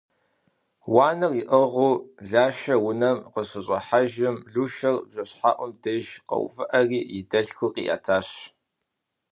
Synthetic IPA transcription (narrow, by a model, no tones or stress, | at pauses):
wɑːnɨriʔəʁuːɮaːʃɐwʊnɐmqəɕɨɕʼɐħaʒɪmɮuːʃɐrbʑɐɕħaːʔʷʊmdʰɐʒqɐ̰w̰vɨʔɐriːjɪdɐɬxʷʊqḭːʔa̰ːtʰaːɕ